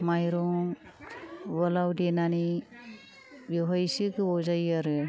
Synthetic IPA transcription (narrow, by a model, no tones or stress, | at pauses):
majɾɔŋ | bɔlawdenani | biɦɔjsikɯbɔzajaɾɯ